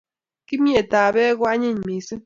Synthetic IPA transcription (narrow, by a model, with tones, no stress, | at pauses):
ki˦mje˨ta˨bɛ˦ɡwa˦ɲe˦˨ɲ˨me˨si˦